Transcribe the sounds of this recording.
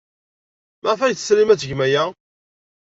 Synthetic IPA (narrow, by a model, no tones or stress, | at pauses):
maʁfæjθəslimæt͡sːəʝmæjæ